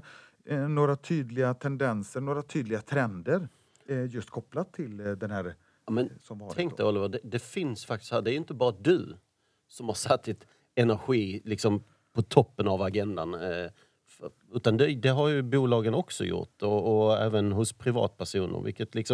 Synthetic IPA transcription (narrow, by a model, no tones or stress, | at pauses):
noːɾat̪ʰyːd̪lɪɡat̪ʰɛnd̪ɛnsəɳoːɾat̪ʰyːd̪lɪɡat̪ʰɾɛnd̪əɾ | jɵst̪̚kʰɔpːlatt̪ʰːɪld̪ɛnhæːɾ | mɛnsɔmt̪ʰɛŋkt̪əɔlɪvəɖɛd̪ɛfɪnsfak̚t̪ɪ̥st̪hæːɾɖɛæɾjʉɪnt̪əbɑːɾad̪ɵ | sɔmhaɾʂat̪ːɪt̪ | ɛnæɾɧiːlɪksɔm | pʰɔt̪ʰɔpːənavaɡɛnd̪an | f | ʉ̟ːt̪and̪ɛd̪ɛɦaɾjɵbuːlɑːɡənɔksɔ̰jʊ̰ʈːɔːæ̰ːvənɦʊspʰɾɪvɑ̰ːt̪̚pʰæɾʂuːnə̰ɾvɪ̰lkːət̪lɪksɔm